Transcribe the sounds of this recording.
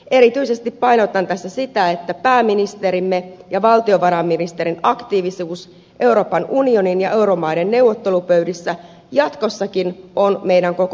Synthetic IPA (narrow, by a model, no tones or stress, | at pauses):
ʔe̞ɾit̪yise̞st̪ippɑinot̪ɑnt̪æsːæsit̪æet̪ːæpæːmːinist̪eɾimːejɑʋɑlt̪io̞ʋɑɾɑmːinist̪eɾinɑkt̪iːʋisuːs | ʔe̞uwɾo̞ːpɑnunio̞ninjɑʔe̞uɾomɑidenne̞uwʋot̪ːe̞lupø̞ɥdisːæ | jɑt̪ko̞sːɑkinonme̞ijdæŋko̞k